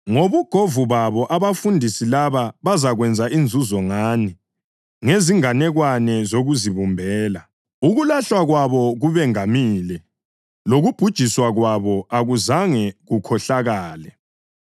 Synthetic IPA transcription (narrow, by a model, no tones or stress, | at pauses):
ŋoβuɡ̥ʱovuβaβɔʔaβafundʱisilaβaβazaɣwɛnd͡zʱaʔind͡zʱuzɔŋaːni | ŋeziŋanɛɣwanɛzoɣuziβumbʱɛːla | uɣulaɬwaɣwaβɔɣuβɛŋamiːlɛ | loɣub̥ʱud̥ʒ̥ʱiswaɣwaβɔʔaɣuzaŋɛɣukʰɔɬaɣaːlɛ